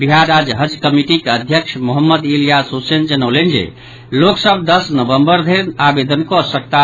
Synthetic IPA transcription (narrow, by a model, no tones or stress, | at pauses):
biɦaɾad͡ʒɦəd͡ʒkəmiʈikeəd̪ʱjəkʃʰmoɦəmːəd̪ilijasusend͡ʒənəwlend͡ʒḛ | loksəb̚ʱd̪əsnəbəmbəɾd̪ʱeɾnabed̪ənkoəsək̚t̪a